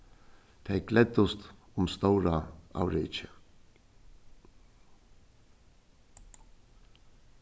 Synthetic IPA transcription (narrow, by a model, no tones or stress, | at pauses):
t̪ʰɛjklɛt̪ːʊst̪ʊmst̪owɾaa̰wɾɪːt͡ʃə